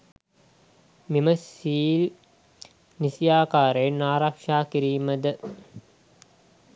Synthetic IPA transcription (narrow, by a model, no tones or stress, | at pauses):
miməsiːl | nisijaːkaːɾenaːɾakʂaːkiɾijuməd̪ə